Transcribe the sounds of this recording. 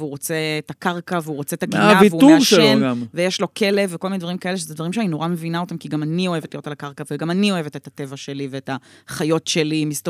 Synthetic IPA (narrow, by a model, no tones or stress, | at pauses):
vuʁot͡seːtakaʁkaveuʁot͡se̞t̪aɡiavivuumʃeenɡamvejeʃlo̞kʰe̞levekolminedvaʁimkaeleʃezed̪vaʁimʃeanino̞ʁame̞vinao̞temkiɡamanio̞evetlijo̞talakaʁkaveɡamanio̞e̞vetethatevaʃeliveetaχajo̞tʃelimist